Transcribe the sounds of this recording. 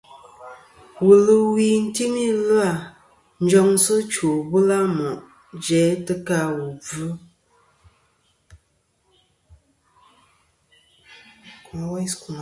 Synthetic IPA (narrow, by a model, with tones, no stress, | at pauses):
wu˨lə˨wi˨n̩˦ti˦mi˦lə˦a˨ | n̩˦d͡ʒɔ˦ŋsə˦t͡ʃo˨bə˦la˦mɔ˨ʔ | d͡ʒɛ˨˦tə˦ka˦wu˨b͡vu˦ | ku˨˦wa˦sku˨